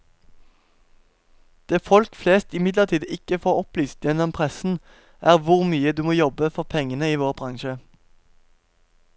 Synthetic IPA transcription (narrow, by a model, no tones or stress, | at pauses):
d̪̥eːfɔlkfleːst̪ɪmɪd̪ləʁt̪ʰiːd̪ɪkəfoːʁɔplyːst̪jɛnɔmpʰʁɛsn̩ | ʔæːʁʋʊʁmyːəd̪ʉːmoːjɔbəfɔʁpʰɛŋənəiːʋoːʁbʁɑŋʃə